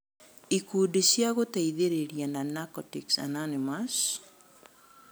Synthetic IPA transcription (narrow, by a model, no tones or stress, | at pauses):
ikudesjaɣotaiðeɾeɾjananakɔtiksa̰nanemas